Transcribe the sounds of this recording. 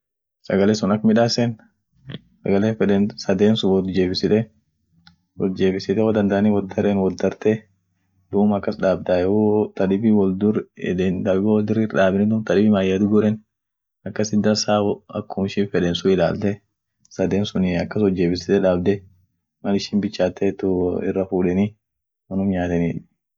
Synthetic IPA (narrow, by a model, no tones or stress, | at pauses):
sɐɡɐleːsʊnɐkːmɪᶑaːsɛn | sɐɡɐleːfɛᶑɛnsɐd̪eːnsʊwɔd̪d͡ʒe̞ːbɪsɪᶑ̪ɛ | wɔd̪d͡ʒe̞ːbɪsɪt̪ɛwoːd̪ɐnd̪aʔɐniwɔd̪ːɐɾɛnwɔd̪ɐɾt̪ɛ | d̪uːmɐkːɐsᶑaːb̚d̪aːɛwot̪ɐᶑɪbɪwɔld̪ʊɾd̪ent̪ɐɪbɐwɔld̪ʊɾɪɾᶑaːbɪnɪd̪ʊmt̪ɐᶑɪbɪmaːjːad̪ʊɡʊɾɛn | ɐkːɐsɪd̪ːɐsaːwɔɐ̰kːʊmɪʃɪfɛᶑɛnsʊɪla̰ːlt̪ɛ | sɐd̪eːnsʊnɪɐkːɐsɔd͡ʒːeːbɪsɪt̪ɛᶑaːbd̪ɛ | mɐlɪʃɪnbɪt͡ʃːaːt̪ːɛt̪ːʊɪ̰rːɐfuːᶑɛni | wɐnʊmɲaːt̪ɛniːᶑɪ